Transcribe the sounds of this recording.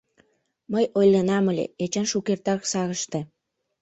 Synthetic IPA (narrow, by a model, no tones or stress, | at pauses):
məjʔojlːənɑməlʲḛet͡ɕɑnʃukert̪ɑksɑɣəʃt̪e